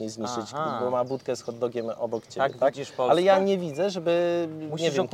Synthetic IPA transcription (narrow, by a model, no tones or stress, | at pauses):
ɲejzmʲit͡ʂɘt͡ɕbɔmabut̪kɛsxɔd̪ːɔɡʲɛmɔbɔkt͡ɕɛaɛt̪akɔalɛjaɲɛvʲid̪zɛʐɛbɘmɲɛvjɛɛm